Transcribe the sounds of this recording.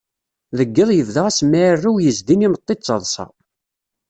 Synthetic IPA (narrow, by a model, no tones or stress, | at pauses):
ðəɡːəðˤjəvðəʁæsmːærːuwjəzd̪inimət̪ˤːet͡sːɑðˤsɑ̰